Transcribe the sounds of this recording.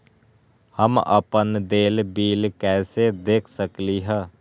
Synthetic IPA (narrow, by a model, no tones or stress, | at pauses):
həmə̰pənd̪eːlbiːlkɛːsed̪eːkʰsəkliɦɛː